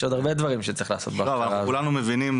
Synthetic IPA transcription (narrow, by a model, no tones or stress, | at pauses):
ʃod̪aʁbe̞d̪vaʁimʃet͡siχlaːso̞t̪̚beaovvanaʁakulanumevinim